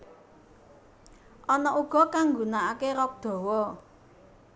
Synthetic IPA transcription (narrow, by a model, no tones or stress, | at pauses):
ʔɔnɔʔuɡ̥ɔ̤kaŋɡunaakeɾɔk̚d̪̥ɔ̤wɔ